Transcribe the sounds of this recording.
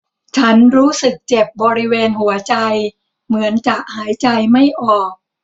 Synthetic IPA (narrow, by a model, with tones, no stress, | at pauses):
t͡ɕʰa˦˥nɾuː˦˥sɯ˨˩k̚t͡ɕe˨˩p̚bɔː˧ɾi˦˥weː˧nhu˩˦ɐt͡ɕa˧j | mɯ˩˦ənt͡ɕa˨˩k̚haː˩˦jt͡ɕa˧jma˥˩jʔɔː˨˩k̚